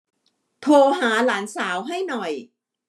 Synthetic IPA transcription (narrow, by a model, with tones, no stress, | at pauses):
t̪ʰoː˧ɦaː˩˦laː˩˦nsaː˩˦wɦa˥˩jnɔ˨˩j